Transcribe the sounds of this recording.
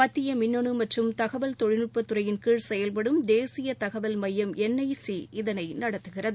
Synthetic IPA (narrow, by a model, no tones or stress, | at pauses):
pɐt̪ːɪjɐmɪnːɔɳɯmɐʈrɯmt̪ɐɣɐʋɐlt̪ɔɻɪnɯpːɐt̪ːɯrɐjɪnkiːɻsɛjɐlp̬ɐɽɯmd̪eːsɪjɐt̪ɐɣɐʋɐlmɐjːɐmɛnːɐɪsiɪðɐnɐɪnɐɽɐt̪ːɯɣɪrɐðɯ